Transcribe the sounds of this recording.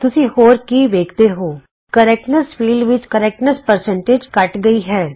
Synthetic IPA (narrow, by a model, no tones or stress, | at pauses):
t̪ʊsihoːɾkiʋeːkt̪eɦoː | kɐɾɛːkʈnəsfiːlɖʋɪt͡ʃkɐɾɛːk̚ʈnəspɐɾsə̃ɳʈeːd͡ʒkɐʈɡɐiɦɛː